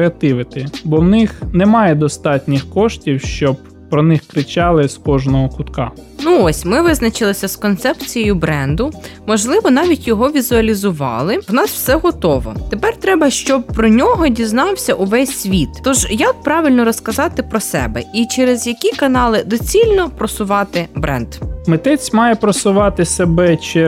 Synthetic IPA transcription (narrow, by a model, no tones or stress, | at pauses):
eɐt̪ɪʋɪt̪ɪbɔwnɪxnɛmɑjɛd̪ɔst̪ɑtʲnʲixkɔʃtʲiwʃt͡ʃɔb | pɾɔnɪxkɾɪt͡ʃɑlˠɪskɔʒnɔɦɔkʊt̪kɑnuɔsʲmɪʋɪznɐt͡ʃɪlˠɪsʲɐskɔnt̪sɛpt͡sʲijɔjʊbɾɛnd̪ʊmɔʒlˠɪʋɔnɑʋʲitʲjɔɦɔʋʲizʊɐlʲizʊʋɑ̰lˠɪwnɑsw̥sɛɦɔt̪ɔʋɔ̰t̪epɛrt̪ɾɛbɐʃt͡ʃɔb̚pɾɔnʲɔɦɔdʲiznɑwsʲɐʔʊʋɛsʲsʲʋʲit̪t̪ɔʒjɐk̚pɾɑʋʲilʲnɔɾɔskɐzɑt̪ɪpɾɔsɛ̰bɛ̰it͡ʃɛɾezjɐkʲikɐnɑlˠɪd̪ɔt͡sʲilʲnɔpɾɔsʊʋɑt̪ɪbɾɛ̰nd̪mɪt̪ɛt͡sʲmɑjɛpɾɔsʊʋɑt̪ɪsebɛt͡ʃɪ